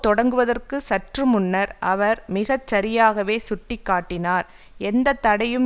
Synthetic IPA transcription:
t̪ɔɽɐŋɡɯʋɐðɐrkɯsɐʈrɯmʊnːɐɾʔɐʋɐɾmɪɣɐt͡ʃsɐɾɪjaːɣɐʋeːsʊʈːɪkːaːʈːɪnaːɾ | ɛnd̪ɐt̪ːɐɽɐjɯm

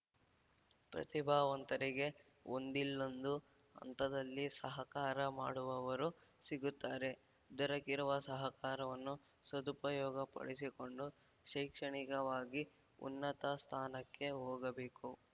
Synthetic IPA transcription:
pɾɐ̰t̪ibʱaːʋɐnt̪ɐɾiɡe̞ | ond̪ilːond̪u | ɐ̰nt̪ɐd̪ɐlːisɐɦɐkaːɾɐma̰ːɽuʋɐʋɐɾusiɡut̪ːaːɾe̞ | d̪ɔɾɐkiɾuʋɐsɐɦɐkaːɾɐʋɐnːu | sɐd̪upɐjɔːɡɐpɐ̰ɽisiko̞ɳɖu | ʃɐjkʂɐɳikɐʋaːɡi | ṵnːɐt̪ɐst̪ʰaːnɐkːe̞ɦoːɡɐbe̞ːku

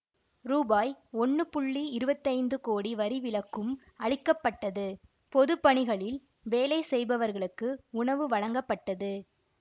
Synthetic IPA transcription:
ɾuːbaːjɔɳːɯpʊɭːiɪɾɯbɐt̪ːɐɪnd̪ɯkoːɽiʋɐɾiʋɪlɐkːɯm | ɐɻɪkːɐpːɐʈːɐðɯ | pɔðɯpːɐɳɪɣɐɭɪl | ʋeːlɐɪsɛjbɐʋɐɾɣɐɭɯkːɯʊɳɐʋɯʋɐɻɐŋɡɐpːɐʈːɐðɯ

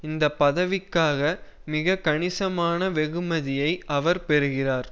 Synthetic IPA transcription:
ɪnd̪ɐpːɐðɐʋɪkːaːɣɐ | mɪɣɐkːɐɳɪsɐmaːnɐʋɛɣɯmɐðɪjɐɪʔɐʋɐɾpɛɾɯɣɪraːɾ

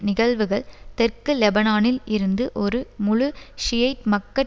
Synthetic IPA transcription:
nɪɣɐɭʋɯɣɐɭt̪ɛrkɯlɛbɐnaːnɪlɪɾɯnd̪ɯʔɔɾɯmʊɻʊʂɪjɐɪʈmɐkːɐʈ

